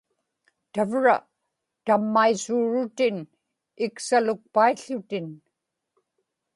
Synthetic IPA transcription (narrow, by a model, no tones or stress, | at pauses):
t̪avɻa̰ | t̪amːaisuːɻʊt̪ɪn | ɪksalʊk̚paiɬʊt̪ɪn